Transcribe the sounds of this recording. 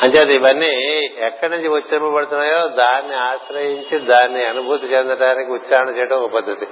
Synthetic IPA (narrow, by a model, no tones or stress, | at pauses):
ɐɲt͡ʃaːt̪ibɐnːiɛkːɐɽɐɲd͡ʒiʋut̪ːt͡ʃɐɾpɐpɐɽt̪unajoːd̪aːnːiaːsɾɐjiɲt͡ʃid̪aːnːiɐnubʱut̪ɐt͡ʃend̪ɾɐʈaːɾikut̪saːɦɐɳɐt͡ʃeːʈoupɐd̪ʱɐt̪i